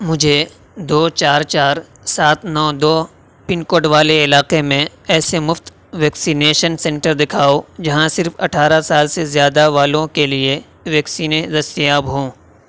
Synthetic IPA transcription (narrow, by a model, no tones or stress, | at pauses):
mʊd͡ʒʱe | d̪oːt͡ʃaːɾt͡ʃaːɾ | saːt̪nɔːd̪oː | pɪnkoːɖʋaːleɪlaːqemẽ | ɛːsemʊft̪ | ʋɛːksiːneːʃənsɛ̃ɳʈəɾd̪ɪkʰaːod͡ʒɐɦãsɪɾfɐ̰ʈʰaːɾasaːlsezjaːd̪aʋaːlõkelie | ʋɛːksiːned̪ɐst̪ijaːbɦõː